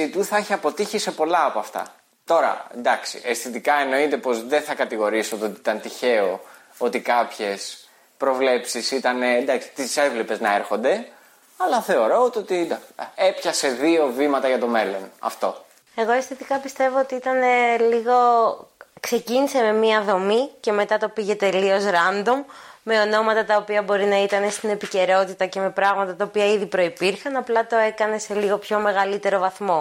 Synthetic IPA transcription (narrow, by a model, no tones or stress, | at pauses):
it̪uθɐeçiɐpo̞t̪içise̞po̞lɐːpoɐft̪ɐ̰ | t̪o̞ɾɐ̰end̪ɐksḭʔest̪it̪ikɐeno̞it̪e̞po̞zðeθɐkɐt̪iɣo̞ɾisiot̪ot̪iit̪ɐnt̪içe̞o | o̞t̪ikɐpçe̞s | pɾo̞vle̞psisit̪ɐnend̪ɐksi̥t̪ise̞vlepe̞znɐeɾxo̞nd̪e̞ | ɐlɐθe̞o̞ɾo̞ot̪o̞t̪id̪ɐe̞pçɐse̞ðio̞vimɐt̪ɐʝɐt̪o̞me̞lo̞nɐ̰ft̪o̞̰ | e̞ɣo̞esθet̪ikɐpist̪e̞voot̪iit̪ɐne̞liɣo̞ | kse̞ciniseme̞miɐðo̞mice̞me̞t̪ɐt̪opiʝe̞t̪e̞lio̞sɾɐnd̪o̞mːe̞o̞no̞mɐt̪ɐt̪ɐopiɐbo̞ɾinɐit̪ɐne̞st̪ine̞pice̞ɾo̞t̪it̪ɐce̞me̞pɾɐɣmɐt̪ɐt̪ɐopiɐiðipɾo̞ipiɾxɐnɐplɐt̪o̞e̞kɐne̞se̞liɣo̞pço̞me̞ɣɐlit̪e̞ɾo̞vɐθmo̞